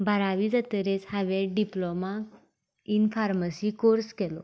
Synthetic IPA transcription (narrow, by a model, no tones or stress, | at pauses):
bʱəɾaʋid͡zat̪əɾet͡shaʋeɖiploma | infaɾməsikoɾskelo̰